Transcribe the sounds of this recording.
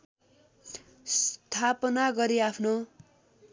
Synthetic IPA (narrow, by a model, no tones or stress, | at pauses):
st̪ʰapʌnaɡʌɾiapʰno